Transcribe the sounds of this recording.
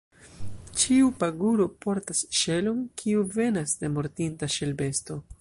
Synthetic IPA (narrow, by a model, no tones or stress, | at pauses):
t͡ʃiupaɡuɾo̞po̞ɾtasʃe̞lonkʰiuve̞nasde̞mo̞ɾtintaʃe̞lbe̞sto̞